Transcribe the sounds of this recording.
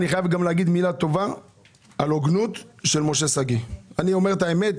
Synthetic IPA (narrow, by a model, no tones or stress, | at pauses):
niχajavɡamleaɡid̪milat̪o̞va | aloɡnut̪ʃelmo̞ʃesaɡianio̞me̞ʁt̪aemet̪